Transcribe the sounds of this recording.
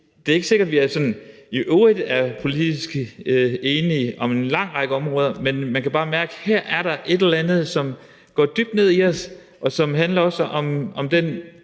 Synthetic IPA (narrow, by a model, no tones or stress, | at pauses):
d̥e̝ɐeɡ̥əse̝ɡ̥ɐd̥ʋiæɐsɒ̽n | iʔøidæɐpʰo̝lid̥isɡ̥eːniʔɒ̽me̝nlɑ̈ŋ̰ʁɑ̈ɡ̥əɒ̽mʁɔ̽ːð̞ˠɐmenmænkʰæb̥ɑ̈ːmæɐɡ̥əhæɐ̰æɐɾ̥ɑ̈ʔe̝d̥elɐlænð̞̩ˠsɒ̽m | ɡ̥ɒ̰ːd̥yb̥̚d̥ne̝ð̞̰ˠiɒs | ʔɒ̽sɒ̽mɦænlɐɒ̽sʔɒ̽mʔɒ̽md̥en